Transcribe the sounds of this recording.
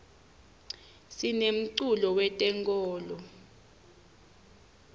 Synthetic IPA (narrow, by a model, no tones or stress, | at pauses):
sinem̩ǀulɔwɛtʼɛŋkʼɔːlɔ